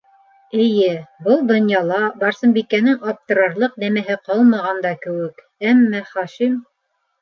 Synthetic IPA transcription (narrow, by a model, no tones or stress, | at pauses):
ɘ̆jɘbɤlˠd̪ŏnjɑlˠɑbɑɾsɤ̆mbikːænɘŋʔɑp̚t̪ɤ̆ɾɑɾlˠɤqnæmæɦɘqɑlˠmɑʁɑnd̪ɑkɘ̆wɘk | æmːæχɑʃim